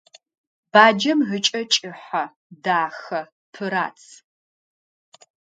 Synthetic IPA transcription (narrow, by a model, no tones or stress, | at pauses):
b̥aːd͡ʒɐmɦɨt͡ʃʼɐt͡ʃʼɪħɐ | daːxɐ | pʰɨɾa̰ːt͡sʰ